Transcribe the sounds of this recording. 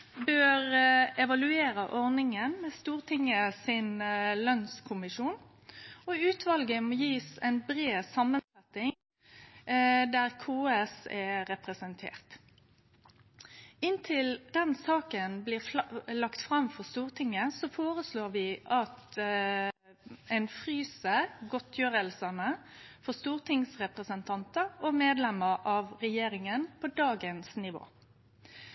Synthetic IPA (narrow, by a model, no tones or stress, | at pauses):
bøːʁɛʋɑlʉeːɾəʔɔʁnɪŋənmɛːst̪uːʁt̪ʰɪŋːəsɪnlœnskʰʊmɪʃuːn | ɔʉːt̪ʰʋɑlɡəmɔːjiːsɛ̰ɪnbʁeːsɑmːənsɛt̪ːɪŋ | d̪æʁkʰuːɛsɛɾɛpʁɛsənt̪ʰḛːʁt̪ | ɪnt̪ʰɪld̪̥ɛnsɑːkənblɪːlɑkt̪fʁɑmfɔʁst̪uːʁt̪ʰɪŋːəsɔfoːʁəsloːʋɪʔɑt̪ | ɛɪnfʁyːsəɡɔt̪ʰjøːɾəlsɑnəfɔʁst̪uːʁt̪ʰɪŋsʁɛpʁəsənt̪ʰɑnt̪əɔmeːd̪lɛməʁʔɑʋʁɛjeːɾɪŋənpʰɔd̪ɑːɡənsnɪʋo̰ː